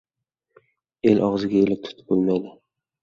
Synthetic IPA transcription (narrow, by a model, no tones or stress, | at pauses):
e̞lʔɒʁzɪɡʲaelɪp̚t̪ʰʊ̥t̪ʰɪ̥bolˠmajd̪ɪ